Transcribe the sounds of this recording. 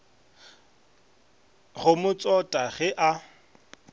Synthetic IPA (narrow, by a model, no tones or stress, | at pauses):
ɣʊmʊt͡sʼɔtʼaɣɛʔa